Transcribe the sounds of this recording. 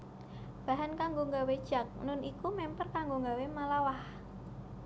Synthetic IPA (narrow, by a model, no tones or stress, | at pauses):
b̥a̤ɦankaŋɡoŋɡawed̥ʒ̥a̤k̚nʊnʔikumɛmpərkaŋɡoŋɡawemalawah